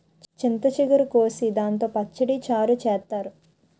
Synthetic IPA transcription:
t͡ʃint̪ɐt͡ʃiɡuɾukoːsid̪aːnt̪oːpɐt͡ʃːɐɽit͡ʃaːɾut͡ʃɛːt̪ːaːɾu

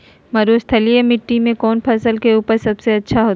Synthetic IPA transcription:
mɐɾoːst̪ʰɐlijamɪʈːimẽkɔːnpʰɐsəlkeuːpəɾsɐbseɐtːʃʰaɦoː

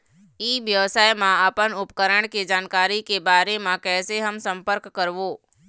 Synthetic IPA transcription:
iːʋjəʋsaːjmãəpənʊpkəɾəɽ̃ked͡ʒaːnkaːɾikebaːɾemãkɛːseɦəmsə̃mpəɾkːəɾʋoː

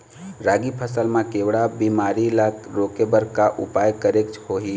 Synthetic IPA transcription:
ɾaɡipʰəsəlmãkewɽabimaɾilakɾokebəɾkaʔṵpajkəɾek̚t͡ʃʰhoɦi

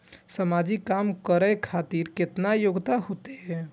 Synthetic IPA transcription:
səmad͡ʒikːamkəɾəjkʰat̪iɾket̪najoɡt̪aɦot̪eɦɛ

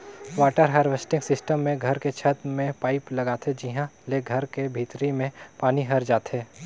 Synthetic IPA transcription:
ʋaːʈəɾɦaːɾʋesʈɪ̃ŋɡsɪsʈəmːẽɡʱɐɾket͡ʃʰət̪mẽpaːɪplɐɡaːt̪ʰed͡ʒiɦãleɡʱɐɾkebʱiːt̪ɾimẽpaːniɦɐɾd͡ʒaːt̪ɦeː

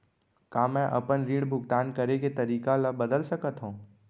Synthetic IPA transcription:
kaːmɛ̃ʔɐ̰pənɾiːɽbʱʊɡt̪aːnkɐɾeket̪ɐɾiːkaləbɐd̪əlsɐkət̪ɦũː

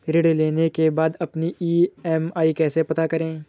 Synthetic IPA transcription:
ɾeːɽleːnekebaːd̪ɐpniiːɛmaːikɛːsepɐt̪akɐɾẽː

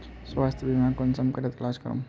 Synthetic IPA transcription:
swaːst̪ʰbʱimɛ̃kɔnsɐmkɐɾet̪laːskəɾṵ̃

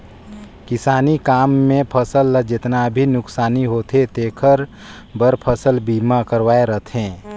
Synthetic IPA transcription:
kɪsaːnikaːmːẽpʰəsəlːəd͡ʒɪt̪nabʱinʊksaːniɦoːt̪ɦet̪eːkʰəɾ | bəɾpʰəsəlbiːmakəɾʋaːeɾət̪ʰẽː

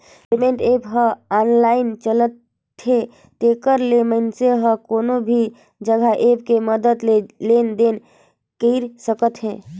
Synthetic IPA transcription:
emẽɳʈepɦəanlaɪnt͡ʃələt̪ | ɦẽ | t̪ekəɾlemənseɦəkoːnobʱi | d͡ʒəɡʱaʔepkeməd̪əd̪lelend̪en | kəɪɾsəkət̪ɦɛ̃ː

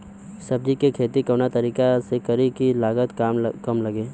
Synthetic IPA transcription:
sɐb̚d͡ʒikekʰeːt̪ikəʋnat̪ɐɾiːkasekəɾikilaːɡət̪kaːmkɐmlɐɡeː

